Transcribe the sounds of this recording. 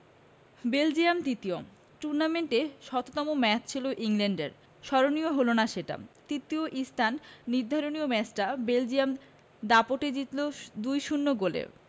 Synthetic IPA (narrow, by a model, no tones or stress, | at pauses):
beld͡ʑiamt̪it̪io | ʈuɾnameɳʈeʃɔt̪ot̪ɔmomɛt͡ɕt͡ɕʰiloʔiŋleɳɖeɾ | ʃɔɾonioɦolonaʃeʈa̰t̪it̪ioʔist̪ʰanːiɾd̪ʱaɾoniomɛt͡ɕʈabeld͡ʑijam | d̪apoʈed͡ʑit̪lod̪ujʃunːoɡolḛ